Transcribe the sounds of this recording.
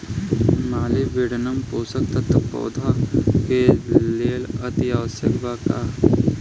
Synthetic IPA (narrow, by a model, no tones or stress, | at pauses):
maːliʋeɽnəmpoːsəkt̪ɐt̪pɔ̰ːd̪ʱakeleːlɐt̪iaːʋəsjəkbaːkaː